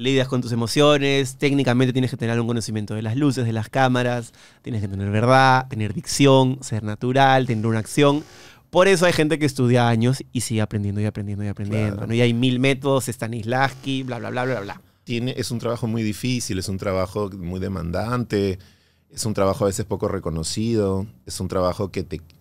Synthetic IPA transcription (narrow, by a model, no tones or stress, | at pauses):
liðasko̞nt̪us̬e̞mo̞sjo̞nest̪eknikament̪ejeneket̪eneɾalɣuŋko̞nosimje̞nt̪o̞ðe̞lazlus̬e̞zðelaskamaɾas | t̪je̞nesket̪ene̞ɾβe̞ɾð̞at̪e̞ne̞ɾðiksjo̞nse̞ɾnat̪uɾalt̪e̞ne̞ɾunaːksjo̞n | po̞ɾe̞s̬oajxe̞nt̪̬e̞k̬eːst̪uðjaaɲo̞sisiɣeapɾend̪end̪oijapɾend̪e̞nd̪ojapɾend̪jend̪o̰no̞iajmilme̞t̪o̞ðosest̪anizlaskiblaβla̰βlaβlaβaβla̰ | t̪je̞neʔesunt̪ɾaβaxo̞mujðifisile̞sunt̪ɾaβaxo̞mujðe̞mã̰nd̪ant̪e̞ | esunt̪ɾaβaxoaβe̞s̬espo̞ko̞reko̞no̞siðo̞esunt̪ɾaβaxo̞ke̞t̪e